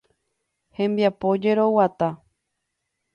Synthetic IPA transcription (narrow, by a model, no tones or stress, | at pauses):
hẽ̞mbiapo̞d͡ʒe̞ɾo̞wat̪a